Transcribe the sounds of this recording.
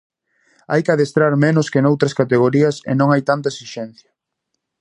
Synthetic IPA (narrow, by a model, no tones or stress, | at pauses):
ajkaðest̪ɾaɾmenʊskenowt̪ɾɐskat̪eɣ̞oɾiɐsḛnõŋajt̪ant̪ɐesiʃɛ̃nθjɐ̥